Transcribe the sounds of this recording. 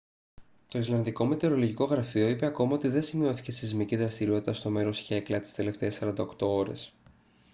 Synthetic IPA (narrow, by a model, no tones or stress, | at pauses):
t̪o̞izlɐnðiko̞me̞t̪eɾo̞lo̞ʝiko̞ɣɾɐfio̞ipe̞ɐko̞mɐo̞t̪iðe̞nsimio̞θi̥ce̞sizmiciðɾɐst̪iɾio̞t̪it̪ɐst̪o̞me̞ɾo̞sçe̞klɐt̪i̥st̪e̞le̞ft̪e̞ːsɐɾɐnd̪ɐokt̪o̞o̞ɾe̞̰s